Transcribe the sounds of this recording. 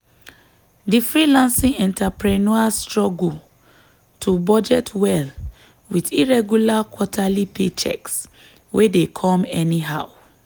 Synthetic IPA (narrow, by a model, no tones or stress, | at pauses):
difɹilãnsĩŋɛ̃ntʰapɹɛnɔastɹɔɡu | tʰubɔd͡ʒɛtʰwɛl | widiɹɛɡjulakʰwɔtʰalipʰet͡ʃɛ̰ks | wedekʰɔ̃mɛniɦaʊ